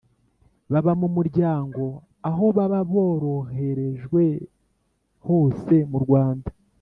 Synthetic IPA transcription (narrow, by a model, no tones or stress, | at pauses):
βaβamumuɾɟaːŋɡo̞ | aɦo̞βaβaβo̞ːɾo̞he̞ɾe̞ʒɡwe̞ | ho̞ːse̞muɾɡwaːnda